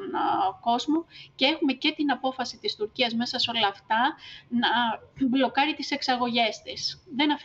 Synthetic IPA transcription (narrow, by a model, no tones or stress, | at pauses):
nko̞zmocee̞xume̞ce̞t̪inɐpo̞fɐsit̪ist̪uɾciɐzme̞sɐseo̞lɐːft̪ɐnɐblo̞kɐɾit̪ise̞ksɐɣo̞ʝe̞st̪isðe̞nɐf